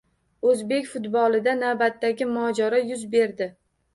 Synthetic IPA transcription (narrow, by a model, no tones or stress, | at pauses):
ɵzbe̞kʲfʊt̪bɒlˠɪd̪anawbat̪ːaɡʲɪmɒd͡ʒaɾɒjʊzbe̞ɾd̪ɪ